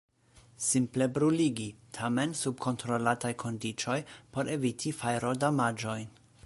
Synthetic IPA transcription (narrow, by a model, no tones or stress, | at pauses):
simple̞bɾuliɡitʰame̞nsub̚kʰo̞ntɾo̞latajkʰo̞ndit͡ʃo̞jpo̞ɾʔe̞vitʰifajɾo̞damad͡ʒo̞jn